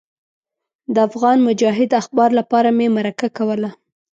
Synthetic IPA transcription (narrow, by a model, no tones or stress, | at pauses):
d̪əafɣɑnmʊd͡ʒɑɦɪd̪axbɑɾlapɑɾamemaɾakakawəla